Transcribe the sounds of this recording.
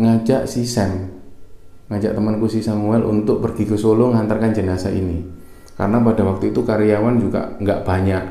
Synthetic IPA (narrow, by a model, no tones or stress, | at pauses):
ŋad͡ʒaʔsisɛm | ŋad͡ʒa̰ʔt̪əmankusisamuɛlʔṵnt̪ʊk̚pərɡ̥ikəsoloŋant̪arkand͡ʒənasaʔḭni | ka̰rənapada̤wak̚t̪uit̪ukaɾijawand͡ʒuɡa̰ʔŋɡaʔb̥aɲaʔ